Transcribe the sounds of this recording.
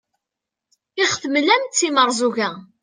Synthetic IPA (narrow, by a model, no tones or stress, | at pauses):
ɪʁθəmlæmt̪t͡sːiməɾˤzˤuʝæ